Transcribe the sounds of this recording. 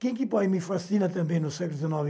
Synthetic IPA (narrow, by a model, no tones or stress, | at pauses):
kẽj̃kipɔmifɐsinɐt̪ɐ̃mbɐ̃j̃nusɛklˠd̪izɐnɔv